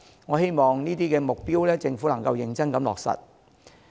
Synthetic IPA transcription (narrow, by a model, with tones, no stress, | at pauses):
ŋɔː˨˧he˥jmɔː˨ŋniː˥t̪iː˥kɛː˧mʊ˨k̚piː˥wlɛː˥t͡sɪ˧ŋfuː˨˥lɐ˨˩ŋkɐ˧wjɪ˨˧ŋt͡sɐ˥nkɐ˨˧˥mlɔ̰ː˨k̚sɐ̰˨t̚